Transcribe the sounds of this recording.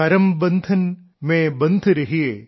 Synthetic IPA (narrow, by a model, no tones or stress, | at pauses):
ɐɾɐmbɐnd̪ʱʰɐn | mẽːbɐnd̪ʱɾɐɦieː